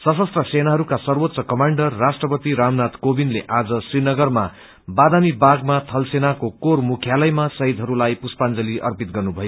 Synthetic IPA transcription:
sʌsʌst̪rʌsenaɦʌɾukasʌrwot̪sʌkʌmaɳɖʌrːasʈrʌpʌt̪iɾamnat̪kobinleʔad͡zʌsrinʌɡʌrma | bad̪amibaɡmat̪ʰʌlsenakokormukʰjalʌjmasʌɦid̪ʱɦʌɾulajpuspand͡zʌliʔʌ̰rpit̪̚ɡʌrnubʱʌjo

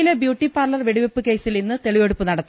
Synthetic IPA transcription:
ilebjuːʈːipaːrlɐrʋeɽiʋepːɨke̞ːsilninːɨt̪e̞ɭiʋeɽupːɨnɐɽɐt̪ː

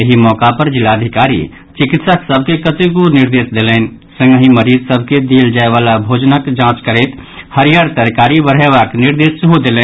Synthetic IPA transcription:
jɐɦimɔːkapəɾd͡ʒɪlaːəd̪ʱɪkaːɾḭ | t͡ʃɪkɪt̪səksəb̚ʱkekət̪ekunɪɾd̪eːsd̪eːleːn | sə̃ŋɡəɦiməɾiːzsəb̚ʱked̪iːld͡ʒaːeʋaːlabʱoːd͡ʒnəkd͡ʒãːt͡ʃkəɾeːt̪həɾijaːɾt̪əɾkaːɾibəɾɦeʋaːknɪɾd̪eːsɦod̪eːleː

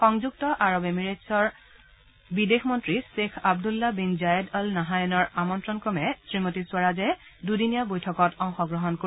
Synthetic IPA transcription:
xɔŋzuktɔʔaɹɔbemiɹesɔɹ | bidexʰmɔntɹisexab̚dulːabinzajɔdɔlnaɦajɔnɔɹamɔntɹɔnkɔmɛsɹimotiswaɹazɛdudinijabojtʰɔkɔtɔŋxɔɡɹɔɦɔnko

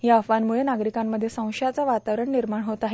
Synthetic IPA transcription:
jafanmuɭenaɡɾikamːəd̪ʱːjesə̃w̃ʂjat͡saʋat̪aʋɾəɳniɾmaɳɦot̪aɦe

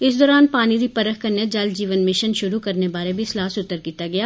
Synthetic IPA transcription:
ɪsd̪ɔːɾaːnpaːniɾipɐɾəxkɐɾnjəd͡ʒɐld͡ʒiːʋənmɪʃənʃʊɾukɐɾnebaːɾebʱislaːsʊt̪ːəɾkiːt̪aɡɐjaː

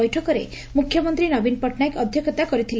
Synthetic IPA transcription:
ɔjʈʰɔkɔɾḛ | mukʰjɔmɔnt̪ɾinɔbinpɔʈʰnajkɔd̪ʱjɔkʰɔt̪akɔɾit̪ʰil

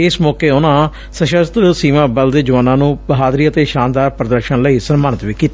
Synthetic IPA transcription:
ɪsmɔːkeːʊnãː | səʃəst̪siːmãːbəld̪eːd͡ʒəʋaːnãːnũːbəɦaːd̪ɾiːət̪eːʃãːnd̪aːɾpɾəd̪əɾʃənləiːsənmaːnət̪ʋiːkiːt̪aː

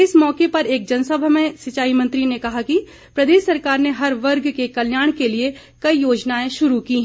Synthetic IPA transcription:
ɪsmɔːkepɐɾeːk̚d͡ʒɐnsəbʱmẽsɪt͡ʃaːimɐ̃nt̪ɾinekɐɦaki | pɾɐd̪eːʃːɐɾkaːɾneɦɐɾʋɐɾɡkekɐljaːɽ̃kelie | kɐijoːd͡ʒnaːẽʃʊɾukiːɦɛ̃

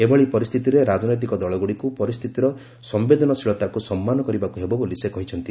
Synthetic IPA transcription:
ebɔɭipɔɾist̪ʰit̪iɾeɾad͡ʒɔnɔjt̪̬ikɔd̪ɔɭɔɡuɽikupɔɾist̪ʰit̪iɾɔ | sɔmbed̪ʱɔnɔsiɭɔt̪akusɔmːanɔkɔɾibakuɦebɔbolisekɔɦit͡ʃʰɔnt̪i

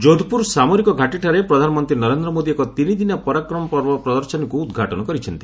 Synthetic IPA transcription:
d͡ʒod̪ʱpuɾsamoɾikɔɡʱaʈiʈʰaɾepɾɔd̪ʱanɔmɔnt̪ɾinɔɾend̪ɾɔmod̪iekɔt̪inid̪inapɔɾakɾɔmɔpɔɾbɔpɾɔd̪ɔɾsɔnikuːd̪ɡʱaʈɔnɔkɔɾit͡ʃʰɔnt̪i̥

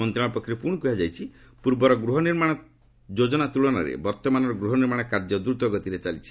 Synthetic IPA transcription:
ɔnt̪ɾãɔpɔkʰːɾepuɽ̃kujad͡ʒajt͡ʃʰi | puɾbɔɾɔɡɾuɦɔniɾmaɽ̃ɔ | d͡ʒod͡ʒɔnat̪uɭɔnaɾḛbɔɾt̪ɔmanɔɾɔɡɾuɦɔniɾmaɽ̃ɔkaɾd͡ʒɔd̪ɾut̪ɔɡɔt̪iɾet͡ʃalit͡ʃʰi̥

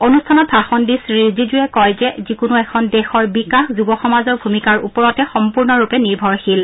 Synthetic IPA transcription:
onustʰanɔt̚pʰaxɔndisɹizid͡ʒujɛkɔjzɛzikʊnuɛkʰɔndɛxɔɹbikaxzubɔxɔmazɔɹbʱumikaɹupɔɹɔtɛxɔmpuɹnɔɹupɛniɹbʱɔɹxil

